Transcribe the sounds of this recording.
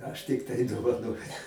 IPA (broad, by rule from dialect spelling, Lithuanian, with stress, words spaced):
ˈɐʃ tʲɪkˈtɐɪ doːʋɐˈnoːjʊ